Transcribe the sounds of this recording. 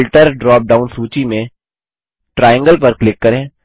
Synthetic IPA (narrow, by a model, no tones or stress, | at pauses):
lʈəɾɖɾɔːp̚ɖaːʊnsuːt͡ʃimẽ | ʈɾaːjə̃ŋɡəlpɐɾklɪkːɐɾẽː